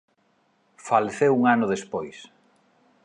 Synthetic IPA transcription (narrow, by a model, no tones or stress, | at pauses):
faleθeuŋanʊðespojs